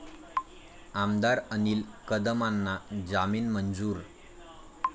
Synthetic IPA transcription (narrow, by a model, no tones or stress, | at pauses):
amd̪aɾəniːlkəd̪əmanːad͡zamiːnmənd͡zuːɾ